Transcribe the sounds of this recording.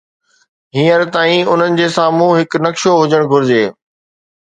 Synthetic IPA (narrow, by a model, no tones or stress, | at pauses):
ɦĩːəɾt̪aːĩʊn̤ənɪ̆d͡ʑeːsãːmũɦɪknɐkʃoɦʊd͡ʑəɽ̃ɡʱʊɾɪd͡ʑeː